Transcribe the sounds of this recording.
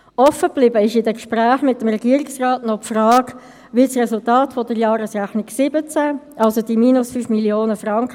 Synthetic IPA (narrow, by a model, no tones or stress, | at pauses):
ʔɔfːəb̥lɪbəɪʃɪdɛkʃpɾæːχmɪtːəmrɛɡiəɾɪksrɑːtnɔpfrɑːk | ʋɪsrɛsultaːtfɔd̥əɾjɑːɾəsræχnɪksɪbət͡sæʔɑlsod̥̪imiːnʊsfyfmiljoːnəfrɑŋkə